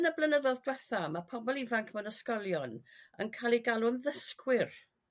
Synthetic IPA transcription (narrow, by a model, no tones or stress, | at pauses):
nəblˠənəðɔðdwɛθamapʰɔbɔlˠivaŋkʰmɛwnəskɔlˠjɔnə̰nkʰalˠiɡalˠʊnðəskʰwɪr